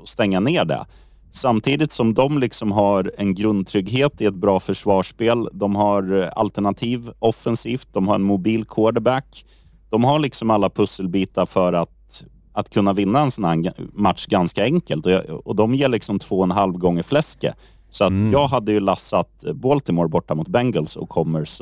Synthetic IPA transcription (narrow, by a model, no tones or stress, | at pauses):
ɔst̪ɛŋːaneːɖɛ̰ | samt̪ʰiːd̪ɪt̪sɔmd̪ɔmlɪksɔmɦaɾɛnɡɾɵnd̪̚t̪ʰɾʏɡɦeːt̪ɪɛt̪̚bɾɑːfœʂvɑːʂpeːld̪ɔmɦaɾa̰lt̪æɳat̪ʰiːvɔfːɛnsiːft̪̚d̪ɔmhaɾɛ̰nmʊbiːlkʰoːɖəbækː | d̪̥ɔmɦaɭɪksɔmalːapʰɵsːəlbiːt̪aɾfœɾat̪ | at̪kʰɵnːavɪnːaɛnsɔnhæmat̪ʂɡanskaɛŋkəlt̪ɔ̰ɔd̪ɔmjeːɭɪksɔmt̪ʰv̥oːɔɛnɦalvɡɔŋːəɾflɛskə̰ | sɔat̪jɑːɡɦad̪ːəjɵlasːat̪boːlt̪ɪmoːɾbɔʈːamʊt̪̚bɛŋɡəlsɔ̰kʰːɔmːəɾs